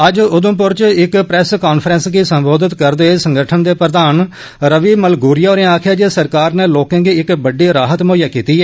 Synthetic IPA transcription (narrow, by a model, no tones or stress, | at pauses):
əd͡ʒʊd̪ʊ̃ːp̬ʊɾt͡ʃɪkpɾɛːskaːnpʰɾənsɡiːsə̃mboːd̪ɪt̪kəɾd̪eːsə̃ŋɡəʈʰənd̪eːpɾəd̪aːn | ɾəʋiːməlɡuːɾɪjaːoːɾẽaːkʰjaːd͡ʒeːsəɾkaːɾneːloːkãːɡiːɪkbəɖiːɾaːɦət̪moːjaːkiːt̪iːɛː